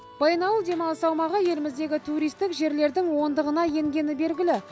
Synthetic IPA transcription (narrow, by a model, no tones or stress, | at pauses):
b̥ɑjnɑwlˠd̪e̞mɑlˠəsɑwmɑʁəje̞lɪmɪzd̪e̞ɡʲɪt̪ʰuɾijst̪ɪkʒe̞ɾle̞ɾd̪ɪŋwo̞nd̪əʁənɑje̞ŋɡʲe̞nɪbe̞lɡʲɪlɪ